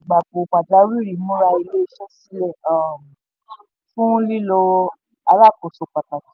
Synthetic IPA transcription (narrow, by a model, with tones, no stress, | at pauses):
ɡ͡ba˨bo˨k͡pa˨da˨˧˦ɾi˦˨ɾi˨˦mõ˦ɾa˧i˧le˦ʃɛ˦si˦lɛ˦˨a˦˨m˨ | fũ˦li˦lo˧ | a˧ɾa˦˨kɔ˨so˨˧k͡pa˨ta˨ti˨˦